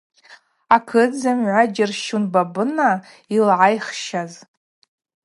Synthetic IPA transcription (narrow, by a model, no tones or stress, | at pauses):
akʰɨd͡zɨmʕʷad͡ʒɪrʃunbabɨna | ilʕajχʃaz